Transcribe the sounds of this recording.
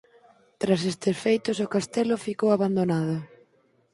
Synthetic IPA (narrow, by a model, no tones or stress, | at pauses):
t̪ɾasest̪ɪsfejt̪ʊsʊkast̪ɛlʊfikowaβand̪onaðʊ